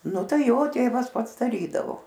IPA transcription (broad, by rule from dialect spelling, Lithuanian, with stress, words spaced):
ˈnʊ ˈtɐɪ ˈjoː ˈtʲeːʋɐs ˈpɐts dɐˈrʲiːdɐʋoː